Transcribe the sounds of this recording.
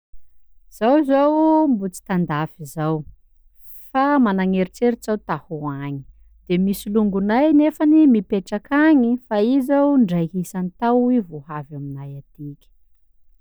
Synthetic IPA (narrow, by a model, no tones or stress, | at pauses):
z̥awzowmbut͡si̥t̪and̪afizaw | famanaŋeɾit͡seɾit͡sawt̪ahuaɲi̥ | d̪̥emisiluŋɡunajnefanimipeʈ͡ʂakaɲifaizawɳɖ͡ʐajɦisanit̪awivohavaminajat̪ikʲə̥